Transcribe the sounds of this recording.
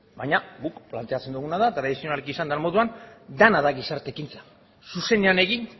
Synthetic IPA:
bajɲaɡukplant̪e̞at͡send̪uɣunaðat̪ɾaðisio̞nalikisand̪anmo̞ðuand̪anaðaɣisaɾt̪ekint͡sḁ | suse̞neane̞ɣin

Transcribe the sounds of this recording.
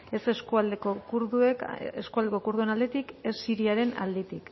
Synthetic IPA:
e̞seskuald̪ekokuɾðueeskuald̪ekokuɾðuenald̪e̞t̪ike̞sːiɾiaɾe̞na̰ld̪et̪ik

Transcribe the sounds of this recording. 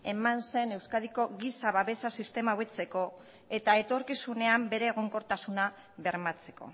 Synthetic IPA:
e̞manse̞ne̞wskað̞iko̞ɣisaβaβe̞sasist̪e̞mauβet͡se̞ko̞ | e̞t̪ae̞t̪o̞ɾkisune̞ambe̞ɾe̞ːɣ̞o̞ŋko̞ɾt̪asuna | βe̞ɾmat͡se̞̥ko̞̰

